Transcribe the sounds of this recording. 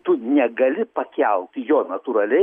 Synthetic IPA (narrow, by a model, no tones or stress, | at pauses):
t̪ʊnʲɛɡɐlʲɪpɐkʲɛlˠt̪ʲjoːnɐt̪uɾɐlʲɛɪ